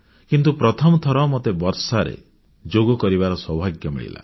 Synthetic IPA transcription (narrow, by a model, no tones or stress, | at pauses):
kint̪upɾɔt̪ʰɔmɔt̪ʰɔɾɔmɔt̪ebɔɾsaɾḛ | d͡ʒoɡɔkɔɾibaɾɔsɔbʱaɡjɔmḭɭḭla̰